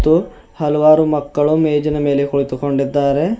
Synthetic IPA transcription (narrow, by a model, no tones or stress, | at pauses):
t̪ːu | hɐlɐʋaːɾumɐkːɐɭumeːd͡ʒɐnɐme̞ːle̞kuɭit̪uko̞ɳɖid̪ːaːɾe̞